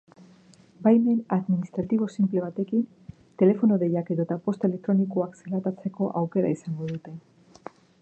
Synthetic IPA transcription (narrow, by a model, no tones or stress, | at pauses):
bajme̞naðminist̪ɾat̪iβ̞o̞simple̞β̞at̪e̞kin | t̪e̞le̞fo̞noðe̞jake̞ðo̞t̪apo̞st̪e̞le̞k̚t̪ɾo̞niko̞akselat̪at͡se̞ko̞ʔawke̞ɾa̰isaŋɡo̞ðut̪e̞